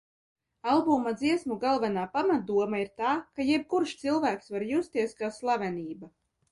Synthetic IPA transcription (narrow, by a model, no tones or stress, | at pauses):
alˠbuːmad̪ziɛsmuɡalˠvɛnaːpamat̪̚d̪uɔmaiɾt̪aːkajɛb̚kuɾʃt̪silˠvæːksvaɾjuːst̪iɛskaslˠavʲɛniːba